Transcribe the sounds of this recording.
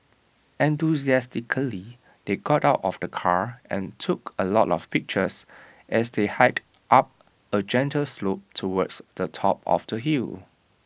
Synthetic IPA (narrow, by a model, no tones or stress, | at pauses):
ʔɛ̃ntuziɛstikʰəli | d̥eɡɔtaʊtɔfd̥əkʰaɹɛ̰̃ntʰukəlɔtɔfpɪk̚t͡ʃəs | ʔɛsdehaɪd | ʔap̚ | əd͡ʒɛ̃ntʰəlslop̚tʰuwɔdsdətʰɔ̰p̚ɔ̰fdəɦil